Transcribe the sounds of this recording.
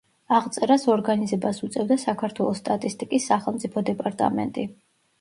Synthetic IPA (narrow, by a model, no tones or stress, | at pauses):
aʁt̪sʼɛɾasɔɾɡanizɛbasut̪sʼɛvd̪asakʰaɾt̪ʰwɛlˠɔst̪ʼat̪ʼist̪ʼikʼisːaχɛlˠmt̪sʼipʰɔd̪ɛpʼaɾt̪ʼa̰mɛ̰nt̪ʼi